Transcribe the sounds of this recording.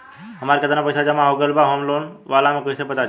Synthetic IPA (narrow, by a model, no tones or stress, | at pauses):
ɦəmaɾkət̪anapəjsad͡ʒəmãɦoɡəlbaɦoːmloːnʋaːlamẽkoisepət̪a